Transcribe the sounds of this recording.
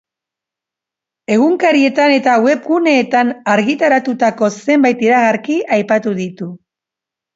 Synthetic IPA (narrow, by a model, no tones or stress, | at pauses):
e̞ɣ̞uŋkaɾie̞t̪ane̞t̪awe̞pɣune̞ːt̪anaɾɣit̪aɾat̪ut̪ako̞se̞mbajt̪iɾaɣaɾkiajpat̪uðit̪u